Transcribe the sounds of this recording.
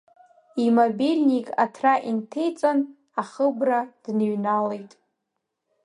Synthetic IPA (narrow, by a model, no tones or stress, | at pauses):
imobilʲnʲikʼa̰tʰraʔintʰejt͡sʼan | aχəbrad̥nɥnale̞jtʼ